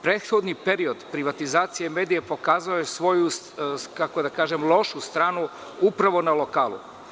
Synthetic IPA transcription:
pɾed̪xo̞d̪nipe̞ɾio̞d̪pɾiʋat̪izaːt̪sijeme̞ːd̪ijepo̞kaːzaojesʋo̞jus | kako̞d̪akaːʒemlˠo̞ʃust̪ɾaːnu | upɾaʋo̞nalo̞kaːlˠṵ

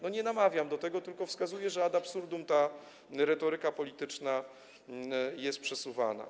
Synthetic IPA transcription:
nɔɲɛnamavʲjamd̪ɔt̪ɛɡɔt̪ɘlkɔfskazujɛʐɛad̪apsuɾd̪umt̪a | ɾɛt̪ɔɾɘkapɔlʲit̪ɘt͡ʂna | jɛst̪pʂɛsuva̰na̰

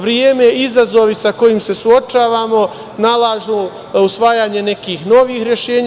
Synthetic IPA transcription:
ʋɾjeːmeizazo̞ʋisako̞jimse̞suo̞t͡ʃaːʋaːmo̞ | nalˠaːʒu | usʋaːjaːɲe̞ne̞kiːxno̞ʋiːxɾje̞ʃe̞ːɲ

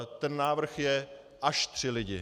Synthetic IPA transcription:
t̪ɛnːaːvr̩xjɛ | ʔaʃt̪r̝̥ɪlɪɟɪ̰

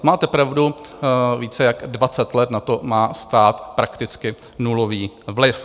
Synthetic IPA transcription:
maːt̪ɛpɾavduviːt͡sɛjaɡdvat͡sɛt̪lɛt̪nat̪omaːst̪aːt̪pɾakt̪ɪt͡skɪ | nuloviː | vlɪf

